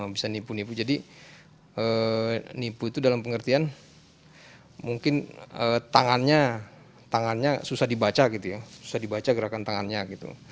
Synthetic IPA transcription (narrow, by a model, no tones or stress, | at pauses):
bisanipunipud͡ʒadi | ənipuit̪udalampəŋərt̪ian | muŋkɪnət̪aŋanɲa | t̪aŋanɲasusahdibat͡ʃaɡit̪ujasu̥sadibat͡ʃaɡəɾakant̪aŋanɲaɡit̪ṵ